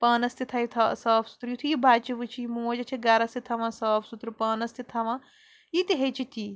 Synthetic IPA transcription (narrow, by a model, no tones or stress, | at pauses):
pɐːnɐst̪it̪ʰɐit̪ʰɐsɐːpʰsu̥t̪ɾjit̪ʰujibaːt͡ʃiʋɨt͡ʃʰijimoːd͡ʒɐt͡ʃʰiɡɐɾɐst̪it̪ʰɐʋãsɐːpʰsut̪ɾupɐːnɐst̪it̪ʰɐʋã | jit̪iɦet͡ʃʰit̪i